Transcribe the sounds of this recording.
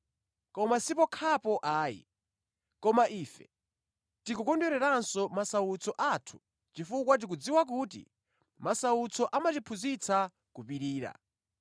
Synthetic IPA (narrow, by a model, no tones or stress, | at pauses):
kɔmasipɔkʰapɔʔaːḭ | kɔmaʔiːfɛ̰ | tikukɔndɛɾɛɾansɔmasawut͡sʰɔʔatʰu̥ | t͡ʃifukwat̬ik̬ud͡ziwak̬ut̬ḭ | masawut͡sʰɔʔamat͡ʃipʰuzit͡sʰa | kupiɾiːɾa̰